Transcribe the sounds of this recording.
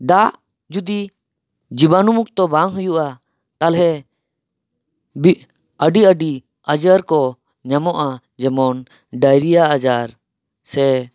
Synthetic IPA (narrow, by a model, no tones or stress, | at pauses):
d̪aʔ | d͡ʒud̪i | d͡ʒibanumuk̚t̪ɔbaŋɦujuʔa | t̪alɦɛ | bi | əɖiəɖi | ad͡ʒaɾkɔ | ɲamɔʔa | d͡ʒɛmɔn | ɖajɾijaːd͡ʒaɾ | sɛ